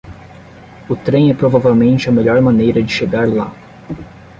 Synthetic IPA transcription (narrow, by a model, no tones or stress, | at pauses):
ʊt̪ɾẽj̃ɛpɾovavewmẽnt͡ʃɪɐmeʎɔɾmɐ̃nejɾɐd͡ʒɪʃeɡaɾla̰